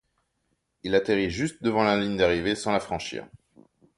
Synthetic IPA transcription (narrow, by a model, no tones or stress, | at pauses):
ilat̪eʁiʒyst̪̚d̪əvɑ̃laliɲd̪aʁivesɑ̃lafχɑ̃ʃḭːʁ